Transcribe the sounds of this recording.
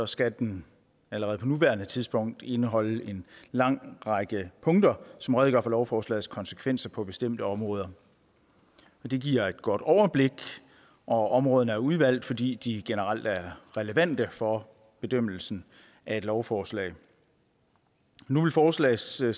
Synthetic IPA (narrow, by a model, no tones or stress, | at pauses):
sɒ̽sɡ̥æd̥en | æləʁɛð̩ˠpʰɒ̽nuʋæːɐnət͡sʰiðˠsb̥ɔ̽ŋ̰d̥e̝nəɦɒ̽l̰əe̝nlɑ̈ŋ̰ʁɑɡ̥əpʰɔ̽ŋd̥ɐsɒ̽mʁɛðˠɡ̥ɶɐfɒ̽lɒʊfɒːslɛ̰ːð̩ˠskʰɒ̽nsə̥kʰʋen̰sɐpʰɒ̽b̥e̝sd̥em̰d̥əɒ̽mʁɔ̽ːð̞ˠɐ | ɒd̥e̝ɡ̥iɐ̰e̝d̥ɡ̥ɒ̽d̥ɒʊɐb̥le̝ɡ̥ | ʔɒ̽ɒ̽mʁɔ̽ːð̞ˠn̩əæɐuðˠʋæl̰d̥fɒ̽d̥ḭːd̥iɡ̥e̝nəʁal̰d̥æɐʁɛləʋæn̰d̥əfɒ̽ | b̥e̝d̥øm̰l̩sn̩ | ʔæe̝d̥lɒʊfɒːslɛ̰ːɪ | nuʋe̝lfɒːslɛ̰ːɪs